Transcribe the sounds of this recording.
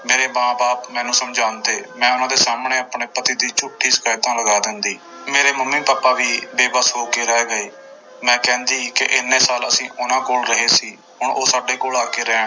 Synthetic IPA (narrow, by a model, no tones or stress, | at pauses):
meːɾeːmãːbaːpmɛ̃ːnũːsəmd͡ʒaːnd̪eːmɛ̃ːʊnãːd̪eːsaːmɳeːaːpɳeːpət̪iːd̪iːt͡ʃʊʈʰːiːsə̥kaːjt̪ãːləɡaːd̪ɪnd̪iː | meːɾeːməmːĩːpaːpːaːʋiːʋeːbəsɦoːkeːɾɛːɡəeː | mɛ̃ːkɛ̃ːnd̪iːkɪʔɪnːeːsaːləsĩːʔʊnãːkoːlɾəɦeːsiː | ɦʊɳʔoːsaːɖeːkoːlaːkeːɾɛːɳ